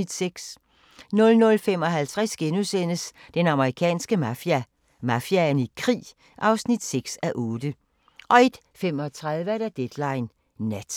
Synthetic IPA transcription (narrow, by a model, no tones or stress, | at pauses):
id̥seɡ̥s | nɔ̽lnɔ̽lfem̰ɒ̽ɦælt͡sʰʁasɡ̥e̝nusen̰əsd̥enɑ̈məʁikʰɛ̰ːnsɡ̥ə | mɑfjænikʰʁḭː | ʔɑ̈ʊsnid̥seɡ̥sæʔɔ̽ːd̥ə | ʔɒ̽e̝d̥ | femɒ̽t͡sʰʁað̞ˠʋəd̥æd̥ed̥lɑ̈ɪnː | æd̥